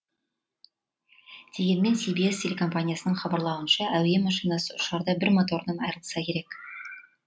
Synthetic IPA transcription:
d̪̥ʰeɡʲe̞nmensibijestʲelʲeko̞mpanʲijasə̆nəɴχɑbɑɾlˠɑwə̆nɕɑʔæwjemɑʃinasəʊ̆ʃɑɾd̪ɑbɪɾmot̪o̞rnɤnɑ̰jɾəlˠsɑkʲeɾek

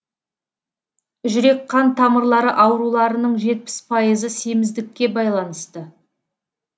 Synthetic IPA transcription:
ʒʏɾe̞kqʰːɑnt̪ʰɑməɾlˠɑɾəʔɑwɾulˠɑɾənəɴʒe̞t̪̚pɪ̥spʰɑjəzəse̞mɪzd̪ɪkʲːe̞bɑjlˠɑnəst̪ə

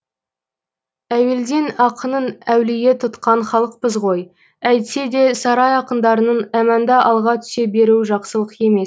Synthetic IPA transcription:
æwe̞ld̪e̞nɑqənənæwlɪje̞t̪ʰʊt̪qɑɴχɑlˠəq̚pəzʁo̞j | æjt̪se̞d̪e̞sɑɾɑjɑqənd̪ɑɾənənæmænd̪ɑʔɑlˠʁɑt̪ʰʏ̥se̞be̞ɾuwʒɑqsəlˠəqje̞me̞s

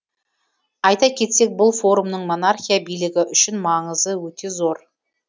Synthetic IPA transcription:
ɑjt̪ɑkʲʰe̞t̪se̞k̚bʊlˠfo̞ɾumnəɴmo̞narχʲijabijlɪɡʲɪʔʏʃɪnmɑɴəzəwɵt̪e̞zo̞ɾ

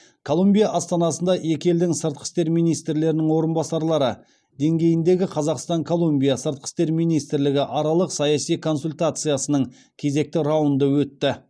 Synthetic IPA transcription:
kʰo̞lˠumbʲijaʔɑst̪ɑnɑsənd̪ɑʔe̞kʲe̞ld̪ɪŋsəɾt̪̚qʰə̥st̪e̞ɾmijnijst̪ɾle̞ɾɪnɪŋwo̞ɾənbɑsɑɾlˠɑɾə | d̪e̞ŋɡʲe̞jɪnd̪e̞ɡʲɪqʰɑzɑqst̪ɑŋkʰo̞lˠumbʲijasəɾt̪̚qʰəst̪e̞ɾmijnijst̪ɾlɪɡʲɪʔɑɾɑlˠəqsɑjɑsijkʰo̞nsulʲt̪at̪sɨjasənəɴ | kʲʰe̞ze̞k̚t̪ɪɾɑwənd̪əwɵt̪ːɪ

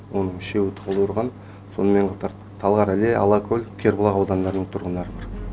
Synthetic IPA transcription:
wo̞nəɴʃe̞wɪt̪ʰəʁəlˠəwəɾʁɑn | so̞nəme̞ɴqʰɑt̪ɑɾ | t̪ʰɑlˠʁɑɾæle̞ʔɑ̰lˠɑkʰɵlʲkʲʰe̞ɾbolˠɑʁɑwd̪ɑnd̪ɑɾənəɴt̪ʰʊɾʁənd̪ɑɾəbɑɾ

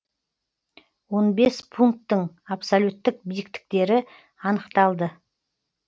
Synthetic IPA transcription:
wo̞nbe̞spʰuŋk̚t̪ːəɴ | apsolʲut̪ːɪk̚bijɪkt̪ɪ̥k̚t̪e̞ɾɪ | ɑnəqt̪ɑlˠd̪ə

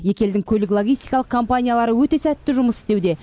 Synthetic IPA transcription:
je̞kʲe̞ld̪ɪŋkʲʰɵlɪklˠoɡʲijst̪ijkɑlˠəqkʰo̞mpanʲijalˠɑɾəwɵt̪e̞sæt̪ːɪʒʊməsɪ̥st̪e̞wd̪e̞

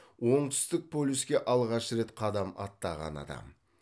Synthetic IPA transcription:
wo̞ɴt̪ʰʏ̥st̪ɪk̚pʰolʲuskʲe̞ʔɑlˠʁɑʃɾe̞t̪qʰɑd̪ɑmɑt̪ːɑʁɑ̰nɑ̰d̪ɑ̰m

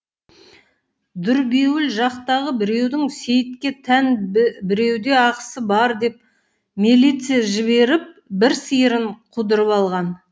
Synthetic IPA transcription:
d̪ʏɾbe̞wɪlʒɑqt̪ɑʁəbɪɾe̞wd̪ɪŋse̞jɪt̪̚kʲe̞t̪ʰænbɪɾe̞wd̪e̞ɑqəsəbɑɾd̪e̞p̚ | milijt̪sɨjaʒɪβe̞ɾɪp̚bɪɾsijəɾɪɴqʰud̪əɾəpɑlˠʁɑn

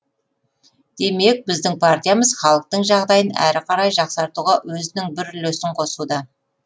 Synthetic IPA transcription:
d̪̥e̞me̞k̚bɪzd̪ɪŋpʰart̪ʲijaməzχɑlˠəq̚t̪əɴʒɑʁd̪ɑjənæ̰ɾɪqʰɑɾɑjʒɑqsɑɾt̪uʁɑwɵzɪnɪŋbɪɾɪlɵsɪɴqʰo̞sud̪ɑ

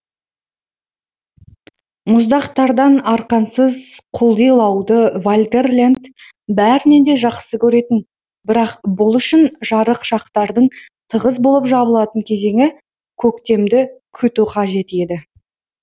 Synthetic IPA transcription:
mʊzd̪ɑqt̪ɑɾd̪ɑnɑɾqɑnsəzqʰʊlˠd̪ijlˠɑwd̪əvolʲd̪e̞rlʲend̪ | bæɾɪne̞nd̪e̞ʒɑqsəkʲʰɵɾe̞t̪ɪn | bɪɾɑqbʊlˠʏʃɪnʒɑɾəqʃɑqt̪ɑɾd̪əɴt̪ʰəʁəzbo̞lˠəpʒɑbəlˠɑt̪əɴkʲʰe̞ze̞ŋɪ | kʲʰɵk̚t̪e̞md̪ɪkʲʰʏt̪uqʰɑʒe̞t̪e̞d̪ɪ

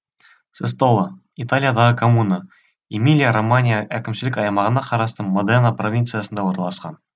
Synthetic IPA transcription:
sest̪olˠə | it̪alʲijad̪ɑʁəkʰomunə | imʲilʲijaɾomanʲijəʔækʲɪ̆mʃɪ̆lɪkɑjmɑʁənɑqɑɾɑst̪əmod̪enəprovʲint̪sɨjasənd̪ɑwoɾnɑlˠɑsqɑ̰n

